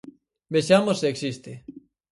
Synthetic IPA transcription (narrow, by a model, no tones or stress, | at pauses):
beʃamosseeksist̪e